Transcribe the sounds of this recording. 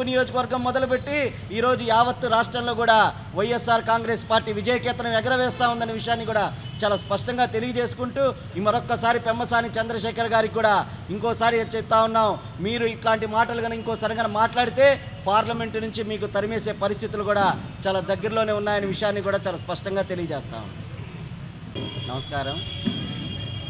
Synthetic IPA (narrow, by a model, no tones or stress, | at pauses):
nijo̞ːd͡ʒɐkɐʋɐɾɡɐmːɔd̪ɐlup̬e̞ʈːi | iːɾo̞ːd͡ʒujaːʋɐt̪ːuɾaːʂʈɾɐmlo̞ːɡuːɽaː | ʋɐjesːaːɾkaːŋɡɾe̞ːspaːɾʈːiːʋid͡ʒɐjɐkɛːt̪ɐnɐmɛɡɐɾɐʋɛːst̪aːund̪ɐniʋiʂjaːnːikuːɽaː | t͡ʃaːlaːspɐʂʈɐŋɡaːt̪e̞liɡɐd͡ʒe̞ːsu̥kuɳʈuː | mɐɾɔkːɐsaːɾipɛmːɐsaːnit͡ʃɐnd̪ɾɐʃɛːkɐɾɡaːɾikːuːɽaː | iŋkɔːsaːɾit͡ʃɐp̚t̪aːunːaː | miːɾuiʈlaːɳʈimaːʈɐluɡɐniŋkɔːsaːɾiɡɐnɐmaːʈlaːɽit̪e̞ː | paːɾlɐme̞ɳʈnuɲt͡ʃimiːkut̪ɐɾimeːse̞ːpɐɾist̪ʰit̪ulukuːɽaː | t͡ʃaːlaːd̪ɐɡːɐɾlo̞ːneːunːaːjɐniʋiʂɐjaːnːikuːɽaːt͡ʃaːlaːspɐʂʈɐŋɡaːt̪e̞liɡɐd͡ʒeːst̪a̰ːṵnd̪i | nɐ̰mɐskaːɾɐm